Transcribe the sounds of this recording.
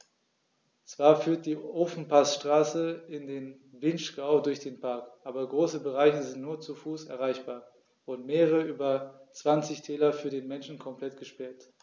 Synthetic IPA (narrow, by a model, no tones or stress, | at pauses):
t͡sv̥aːɐfyːɐt̚d̥iːʔoːfn̩pʰasʃtʁ̥aːsəɪndeːn | vɪnʃkaʊdʊɐçd̥eːnpʰaɐkʔaːbɐɡʁoːsəbəʁaɪçəzɪntnuːɐt͡sufuːsɛ̰ɐʁaɪçb̥aːɐ | vʊɐdn̩meːʁəʁəəʔyːbɐt͡sv̥ant͡sɪçtʰɛːlɐfyːɐdeːnmɛnʃn̩kʰɔmpl̥ɛtɡ̥əʃpɛɐt